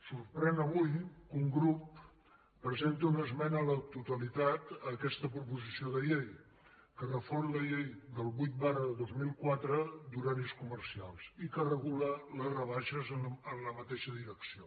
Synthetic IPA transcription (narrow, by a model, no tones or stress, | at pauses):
surpɾɛnəβujkuŋɡɾupː | ɾəzent̪əunəzmɛnəːlət̪ut̪əlit̪at̪əkɛst̪əpɾupuzisioðəʎej | kərəforləʎejðəlˠβujt̪̚barəðəðozmilˠkwat̪ɾəd̪uɾaniskumərsia̰lˠsikərəɣulələzrəβ̞aʃəzənənləmət̪eʃəðiɾəksio